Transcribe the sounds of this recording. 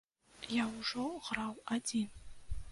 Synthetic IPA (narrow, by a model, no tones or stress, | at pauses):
jawʐoʁrawadin